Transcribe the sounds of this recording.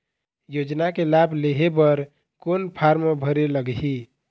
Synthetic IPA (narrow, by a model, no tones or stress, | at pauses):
jod͡ʒnakelableɦebəɾ | konpʰaɾmebʱəɾeləɡɦi